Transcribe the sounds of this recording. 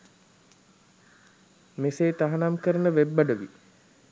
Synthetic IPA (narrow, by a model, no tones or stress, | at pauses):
meseːt̪aɦanamkəɾənəʋebːaɖəʋḭ